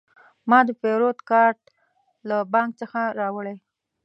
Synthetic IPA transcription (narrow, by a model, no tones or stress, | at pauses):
mɑd̪əfeɾot̪kɑɾʈ | labɑŋkt͡səxaɾɑwəɽej